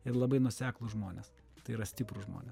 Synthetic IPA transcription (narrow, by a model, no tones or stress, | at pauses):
ɪrlˠɐbɐɪnuɔsʲæːklˠʊʒmoːnʲeːs | t̪ɐɪiɾɐsʲt̪ʲɪpɾʊʒmo̰ːnʲeːs